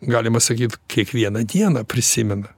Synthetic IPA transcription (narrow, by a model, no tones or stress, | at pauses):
ɡɑːlʲɪmɐsɐkʲiːt̪kʲiɛkʋʲiɛnɐd̪ʲiɛnɐpʲɾʲɪsʲɪmʲɪnɐ